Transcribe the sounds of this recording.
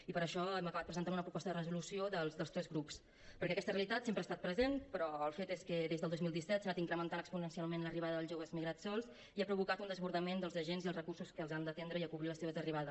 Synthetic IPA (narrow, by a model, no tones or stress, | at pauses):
ipəɾəʃɔɛməkəβat̪̚pɾəzənt̪anunəpɾupɔst̪əðərəzulusioðəlˠzd̪əlst̪ɾɛzɣɾups | pəɾkɛəkɛst̪əreəlit̪at̪sempɾəaːst̪at̪̚pɾəzenpɾɔəlˠfet̪eskəðezðəlˠd̪ozmilˠd̪isɛt̪sanat̪iŋkɾəmənt̪anəkspunənsialˠmenləriβaðəðəlˠzʒoβəzmiɣɾat̪sɔlˠs | iapɾuβukat̪und̪əzβuɾðəmend̪əlˠzəʒenziðəlˠzrəkursuskəːlˠzand̪ət̪end̪ɾəiəkuβiləseβəzəriβ̞aðə